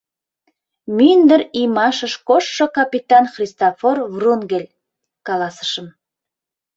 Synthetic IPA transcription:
mynd̪əɾimɑʃəʃkoʃːokɑpit̪ɑnxrʲist̪oforvrunɡelʲ | kɑlɑsə̥ʃə̆m

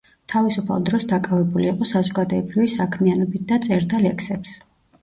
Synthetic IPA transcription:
t̪ʰavisupʰa̰lˠd̪ɾɔsd̪akʼavɛbuliːqʼɔsazɔɡad̪ɔɛbɾivisakʰmianɔbit̪̚d̪at̪sʼɛɾt̪ʰalɛkʰsɛps

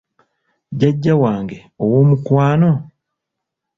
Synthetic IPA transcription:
ɟaɟːawaːŋɡe̞ | owo̞ːmukwaːno̞

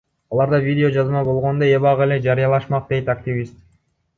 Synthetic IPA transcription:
ɑlˠɑɾd̪ɑvʲidʲɪo̞d͡ʒɑzmɑbo̞lˠʁo̞nd̪oeβɑʁele̞d͡ʒɑɾɯjɑlˠɑʃmɑq̚d̪e̞jt̪ak̚t̪ʲɪvʲist̪̚

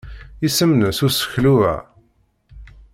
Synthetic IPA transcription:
isəmnəsusə̥çluæ̰

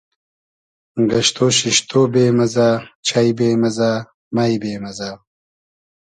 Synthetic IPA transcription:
ɡɐɕt̪oːɕiɕt̪ʰoːbeːmɐzaːt͡ɕʰɐjbeːmɐzaː | mɐjbeːmɐzaː

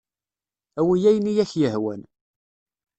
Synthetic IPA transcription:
æwijæjnijæçjəɦwæ̰n

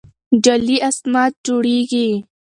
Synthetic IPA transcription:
ɖaliʔasmɑːt̪̚d͡ʒoɽiɡi

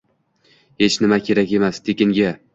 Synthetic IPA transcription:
he̞t͡ʃnɪmakʲʰe̞ɾakʲe̞mast̪ʰekʲɪŋɡʲa

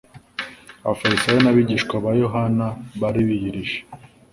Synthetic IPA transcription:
a̰fajisajonaβiɟiːʃkwaβajo̞ɦanaβaɾiβijiɾiʃe̥

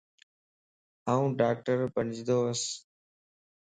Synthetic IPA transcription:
aːũːɖaːk̚ʈəɾpənd͡ʒʱd̪oːəs

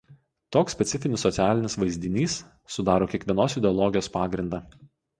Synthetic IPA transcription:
t̪oːksʲpʲɛt̪sʲɪfʲɪnʲɪsːɔt̪sʲæːlʲɪnʲɪsʋɐɪzʲd̪ʲɪnʲiːsː | ʊd̪ɑːɾoːkʲiɛkʋʲiɛnoːsɪd̪ʲɛɔlˠɔɡʲɪjoːspɑːɡɾʲɪnd̪ɑː

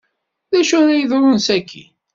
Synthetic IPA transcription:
ðæʃʊðæjəðɾˤʊnsækʰːḭ

